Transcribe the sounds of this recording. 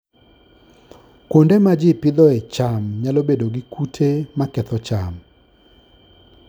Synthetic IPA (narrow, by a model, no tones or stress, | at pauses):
kwondemad͡ʒɪpɪd̪ɔet͡ʃamɲalobedoɡikutʰemakɛt̪ɔt͡ʃam